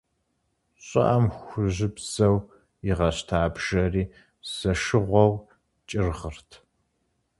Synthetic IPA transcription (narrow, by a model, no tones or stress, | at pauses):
ɕʼɐ̰ʔɐmxʷʊʑɪbz̥ɐw | ɪʁɐɕtʰaːbʒ̥ɐriː | z̥ɐʃɨʁʷɔw | t͡ʃʼɪrʁərtʰ